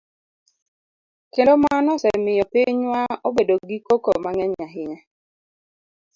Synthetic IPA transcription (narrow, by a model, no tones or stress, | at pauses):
kendomanɔsɛmɪjɔpiɲwaobedoɡikokomaŋɛɲaɦɪɲa